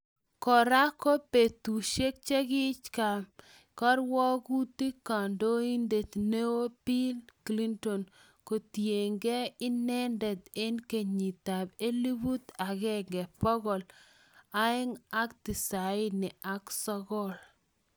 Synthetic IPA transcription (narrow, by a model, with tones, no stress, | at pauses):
kɔ˨ɾa˦ko˦pe˨t̪u˨ʃe˦k̚t͡ʃe˦ɡɪ˦t͡ʃka˨m | kɔ˦ɾwɔ˦ku˦t̪i˦ka˨ndo˦i˦nd̪e˨t̪ne˦wo˦pi˦lkli˦nto˨n | ko˨t̪je˨ŋɡe˦ɪ˦nɛ˦ndɛ˨d̪e˦nke˨ɲi˨t̪a˨be˦li˦bu˦t̪a˨ɡɛ˦ŋɡɛ˨pɔ˦ɡɔ˨l | a˦ɪ˦ŋa˦ktɪ˨sa˨ɪ˦nɪ˨ʔa˦ksɔ˦ɡɔ˦l